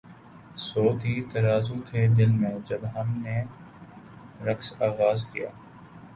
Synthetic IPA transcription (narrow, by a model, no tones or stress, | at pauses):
soːd̪ʱiːt̪ɐɾaːzut̪ʰed̪ɪlmẽd͡ʒəbɦɐmneː | ɾəksaːɣaːzkija̰ː